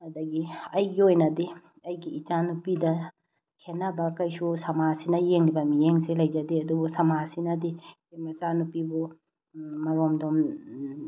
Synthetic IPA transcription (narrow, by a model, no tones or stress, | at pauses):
ɐdɐɡiɐjɡiojnɐdi | ɐjɡiːt͡ʃanupidɐ | kʰenːɐbɐkɐjsusɐmasinɐjeŋlibɐmijeŋselɐjd͡ʒɐdiɐdubusɐmasinɐdikemɐt͡ʃanupibu | mɐɾomdom